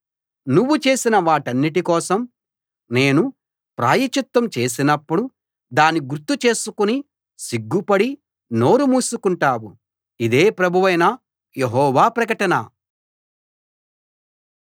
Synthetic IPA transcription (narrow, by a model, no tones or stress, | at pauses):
nuʋːut͡ʃe̞ːsinɐʋaːʈɐnːiʈikɔːsɐm | ne̞ːnu | pɾa̰ːjɐt͡ʃut̪wɐmt͡ʃe̞ːs̬inɐpːuɽu | d̪aːniɡuɾt̪ːut͡ʃe̞ːsukuni | siɡːupɐɽi | no̞ːɾumuːsukuɳʈaːwṵ | id̪e̞ːpɾɐbʱuʋɐjnɐ | jeɦɔːʋaːpɾɐkɐʈɐnɐ̰